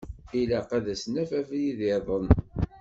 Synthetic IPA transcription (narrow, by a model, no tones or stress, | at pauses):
ilæqæðæsnæfæfjiðɪðˤən